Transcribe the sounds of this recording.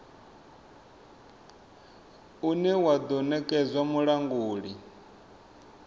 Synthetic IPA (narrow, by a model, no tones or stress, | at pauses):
unɛwad̪ɔnɛkʼɛzʷwamuɺaŋɡuːɺi